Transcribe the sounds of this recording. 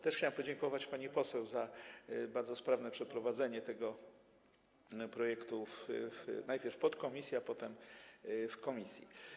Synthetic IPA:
t̪ɛʂxt͡ɕawɘmpɔd͡ʑɛŋkɔvat͡ɕpaɲipɔsɛwzabaɾd̪zɔspɾavnɛpʂɛpɾɔvad̪zɛɲɛt̪ɛɡɔ | pɾɔjɛkt̪uffnajpʲjɛɾfpɔt̪kɔmʲisʲjiapɔt̪ɛm | fkɔmʲisʲjḭ

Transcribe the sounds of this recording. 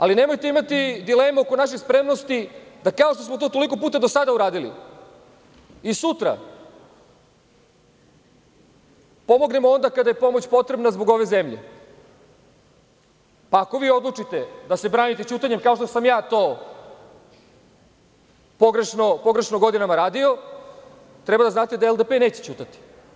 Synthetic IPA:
aline̞mo̞jt̪e̞imat̪id̪ileːmuoko̞naʃ̬exspɾe̞mnost̪id̪akao̞ʃ̬t̪osmo̞t̪oːt̪oliko̞puːt̪ad̪o̞sad̪auɾaːd̪ilḭ | isut̪ɾa̰ | po̞mo̞ɡne̞moo̞nd̪akad̪aje̞po̞mot͡ɕpo̞t̪ɾe̞bnazbo̞ɡo̞ʋe̞ze̞mʎe̞̰ | paːko̞ʋiːo̞d̪lˠut͡ʂit̪e̞d̪ase̞bɾaːnit̪e̞t͡ɕuːt̪aɲemkao̞ʃt̪o̞samjaːt̪oː | po̞ɡɾeʃnopo̞ɡɾe̞ʃnoɡo̞d̪inamaɾaːd̪io̞ | t̪ɾɛbad̪aznaːt̪e̞d̪aelˠd̪epene̞ːt͡ɕet͡ɕuːt̪at̪i̥

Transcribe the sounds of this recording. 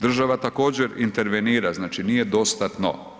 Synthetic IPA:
d̪r̩ʒaʋat̪ako̞ːd͡ʑeɾint̪eɾʋeniːɾaznaːt͡ʃiniːjed̪o̞st̪at̪no̰

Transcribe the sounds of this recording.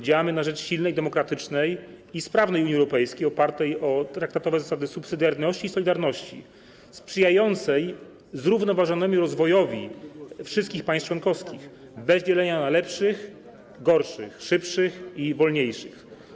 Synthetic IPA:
d͡ʑawamɘnaʐɛt͡ʂɕilnɛjd̪ɛmɔkɾat̪ɘt͡ʂnɛjispɾavnɛjuɲiwɾɔpɛjskʲejɔpaɾt̪ɛjɔt̪ɾakt̪at̪ɔvɛzasad̪ɘsupsɘd̪ʲjaɾnɔɕt͡ɕiːsɔlʲid̪aɾnɔɕt͡ɕḭ | spʂɘjajɔnt̪sɛj | zɾuvnɔvaʐɔnɛmʲiɾɔzvɔjɔvʲifʂɨst̪̚kʲixpaɲjst͡ʂwɔnkɔfskʲix | bɛzd͡ʑɛlɛɲanalɛpʂɘx | ɡɔɾʂɘ̰xʂɘpʂɘxivɔlɲejʂɘ̰x

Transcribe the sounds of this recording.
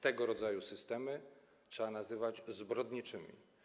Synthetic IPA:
t̪ɛɡɔɾɔd̪zajusɘst̪ɛmɘ | tʂɛanazɘvad͡ʑzbɾɔd̪ɲit͡ʂɘmʲḭ

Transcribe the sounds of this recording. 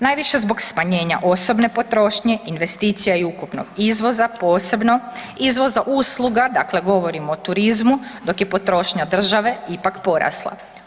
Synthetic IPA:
najʋiʃe̞zbo̞ɡsmaɲe̞ːɲa̰ʔo̞so̞bne̞po̞t̪ɾo̞ːʃɲe̞inʋe̞st̪iːt̪sijaiukupno̰ɡizʋo̞zapo̞ːse̞bno̞izʋo̞zaʔuːslˠuɡad̪akle̞ɡo̞ʋo̞ɾimoːt̪uɾizmud̪o̞kje̞po̞t̪ɾo̞ːʃɲad̪r̩ʒaʋe̞ipakpo̞ɾa̰slˠa̰

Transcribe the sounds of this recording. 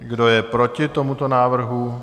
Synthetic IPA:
ɡdo̞jɛpɾo̞cɪt̪o̞mut̪o̞naːvr̩ɦu

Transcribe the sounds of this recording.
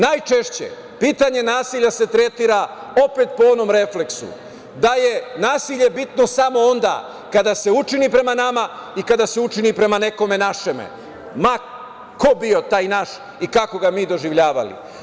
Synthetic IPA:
najt͡ʃe̞ʃt͡ɕḛ | piːt̪aɲe̞naːsiːʎase̞t̪ɾe̞t̪iːɾa | o̞pe̞t̪̚poo̞no̞mɾe̞fle̞ksṵ | d̪aje̞naːsiʎe̞bit̪no̞samo̞ond̪a̰ː | kad̪ase̞ut͡ʃinipɾe̞manamaikad̪ase̞ut͡ʃinipɾe̞mane̞ko̞me̞naʃemḛ | ma | kobio̞t̪aːjnaʃ | ikako̞ɡamiːd̪o̞ʒiʋʎaːʋa̰lḭ

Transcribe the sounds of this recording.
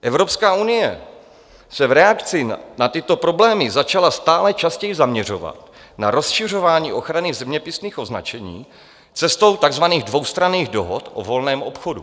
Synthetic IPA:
ʔɛvɾo̞pskaːunɪjɛ | sɛvɾɛakt͡sɪnat̪ɪt̪o̞pɾo̞blɛːmɪzat͡ʃalast̪aːlɛt͡ʃascɛjɪzamɲɛr̝o̞̰va̰t̪ | naɾo̞sʃɪr̝o̞vaːɲḭːʔo̞xɾanɪzɛmɲɛpɪsniːxʔo̞zna̰t͡ʃɛɲḭː | t͡sɛst̪o̞wt̪aɡzvaniːɣdvo̞wst̪ɾaniːɣdo̞ɦo̞t̪ʔo̰vo̞lnɛːmʔo̞̰pxo̞du

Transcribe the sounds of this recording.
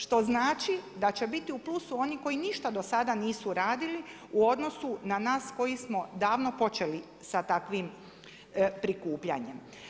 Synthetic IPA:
ʃt̪o̞znaːt͡ʃid̪at͡ɕe̞bit̪iuplusuo̞niko̞jiniʃt̪ad̪o̞sad̪aniːsuɾaːd̪ili | uo̞d̪no̞sunanaːsko̞jismo̞d̪aːʋno̞po̞t͡ʃe̞li | sat̪akʋim | pɾikuːpʎa̰ɲe̞m

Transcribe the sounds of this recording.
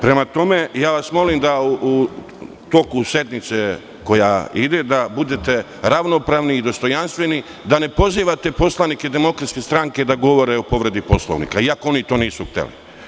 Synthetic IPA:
pɾe̞mat̪o̞me̞jaːʋasmo̞limd̪auʔu | t̪o̞kuse̞d̪nit̪se | ko̞ja̰id̪e̞d̪abud̪e̞t̪e̞ | ɾaʋno̞pɾaːʋniːd̪o̞st̪o̞janst̪ʋe̞ni | d̪ane̞po̞ziːʋat̪e̞po̞slˠanike̞d̪e̞mo̞kɾat̪ske̞st̪ɾaŋke̞d̪aɡo̞ʋo̞ɾeopo̞ʋɾe̞d̪ipo̞slˠo̰ʋnḭkaiakoo̞nit̪o̞ːniːsuxt̪ḛlḭ

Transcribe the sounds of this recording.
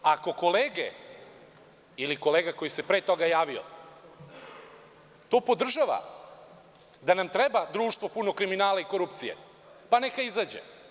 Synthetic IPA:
ako̞ko̞leːɡḛ | iliko̞leːɡako̞jise̞pɾet̪o̞ɡajaːʋio̰ | t̪o̞ːpo̞d̪r̩ʒaʋa̰ | d̪anamt̪ɾebad̪ɾuːʃt̪ʋo̞puno̞kɾiminaːlaiko̞ɾupt̪sijḛ | pane̞kaizad͡ʑḛ

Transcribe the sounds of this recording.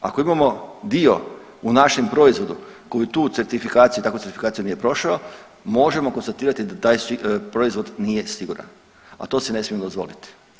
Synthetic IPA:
a̰ko̞imamo̞d̪io̞̰ | unaʃempɾo̞izʋo̞d̪ukojit̪uːse̞ɾt̪ifikaːt̪sijut̪akut͡s̪eɾt̪ifikaːt̪ijunije̞pɾo̞ʃao | mo̞ʒe̞mo̞ko̞nst̪at̪iːɾat̪id̪at̪aːjsipɾo̞izʋo̞d̪nije̞siɡuɾa̰n | a̰t̪o̞ːsene̞smijemd̪ozʋo̞̰lit̪i̥

